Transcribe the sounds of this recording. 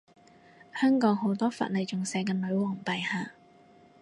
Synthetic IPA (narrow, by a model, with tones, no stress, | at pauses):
hœː˥ŋkɔː˨˥ŋho˨˥wt̪ɔː˥fɐ̰˨t̚lɐ˨˩jt͡sʊ˨ŋsɛː˨˧˥kɛ˧nɵ˨˧ɥwɔː˨˩ŋpɐ˨jhaː˨˧